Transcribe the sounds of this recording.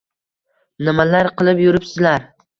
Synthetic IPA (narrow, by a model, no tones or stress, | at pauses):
nɪmalaɾqʰɨlˠɪpjʊɾɪpsɪzlaɾ